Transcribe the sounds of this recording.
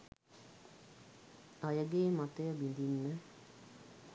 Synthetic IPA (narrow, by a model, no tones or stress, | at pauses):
ajəɡeːmat̪əjəbind̪inːə